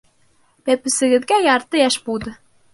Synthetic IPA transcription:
bæpɘ̆sɘ̆ɡɘ̆ðɡæjɑɾt̪ɤjæʃbulˠd̪ɤ̆

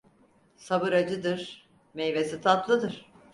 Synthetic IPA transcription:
sabɯɾad͡ʒɯd̪ɯɾ̥ | mejvesit̪ʰat̪lˠɯd̪ɯɾ̥

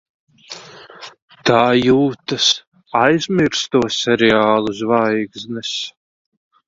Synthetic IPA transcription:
t̪aːjuːt̪as | ajzmiɾst̪uɔsɛɾɛaːlˠuzvajɡznɛs

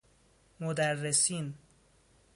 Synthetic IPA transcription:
mod̪ærːesiːn

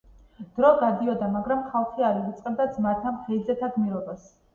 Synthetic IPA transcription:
d̪̥ɾɔɡad̪iɔd̪amaɡɾamχalˠχiaɾiɾit̪sʼqʼɛb̚d̪azmat̪ʰamχɛdzɛt̪ʰaɡ̪miɾɔbas

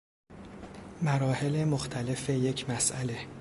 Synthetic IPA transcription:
mæɾɒːhe̞lemoxt̪ʰæle̞fejecʰmæsʔæle̞

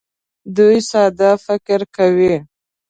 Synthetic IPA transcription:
d̪ujsɑd̪afɪkɪɾkawi

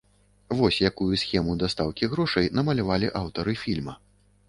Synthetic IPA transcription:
vɔsʲjakujusʲxʲɛmud̪ast̪awkʲiɣɾɔʂɐjnɐmɐlʲavalʲiʔawt̪ɐɾɨfʲilʲmɐ

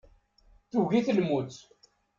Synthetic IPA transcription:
θuʝiθəlmut͡s̪

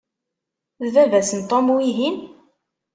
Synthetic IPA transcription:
ðvævæsənt̪ˤomwiɦin

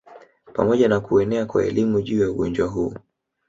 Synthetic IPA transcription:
pamɔʄanakuɛnɛakwa̰ɛ̰limuʄuːjauɠɔnd͡ʒwaɦuː

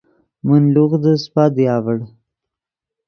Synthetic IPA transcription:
mənluɣd̪əspɑːd̪jɑːvəɽ

